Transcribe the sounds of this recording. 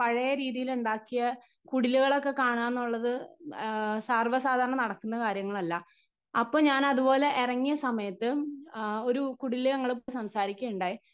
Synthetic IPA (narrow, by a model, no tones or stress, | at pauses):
pɐɻɐjɐɾiːðijiluɳɖaːkːijɐ | kuɽiluɣɐɭo̞kːe̞kaːɳaːenːuɭːɐðɨ | saːrʋɐsaːd̪ʱaːɾɐɳɐnɐɽɐkːunːɐkaːɾjɐŋːɐɭɐlːɐ | ɐpːoːɲaːnɐðubo̞ːle̞ʔerɐŋːijɐsɐmɐjɐt̪ːɨ | o̞ɾukuɽiluɐŋːɐɭep̬ːoːjsɐmsaːɾikʲːɐuɳɖaːji